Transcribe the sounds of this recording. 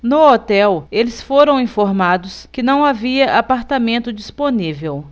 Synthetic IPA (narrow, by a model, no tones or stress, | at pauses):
nʊot̪ɛwelɪsfoɾɐ̃w̃ĩfoɾmad̪ʊskɪnɐ̃w̃aviɐʔapaɾt̪amẽnt̪ʊd͡ʒisponivew